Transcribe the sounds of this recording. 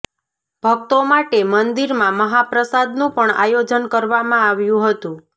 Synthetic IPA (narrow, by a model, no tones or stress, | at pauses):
b̥ʱək̚t̪omaʈemənd̪iɾmãməɦapɾəsad̪nũpəɳa̰jod͡ʒənkəɾʋamãaʋjũɦət̪ũ